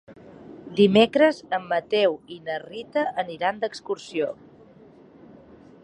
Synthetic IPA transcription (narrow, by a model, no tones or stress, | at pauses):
d̪imekɾəzəmːət̪ɛwinərit̪əʔəniɾand̪əkskuɾsio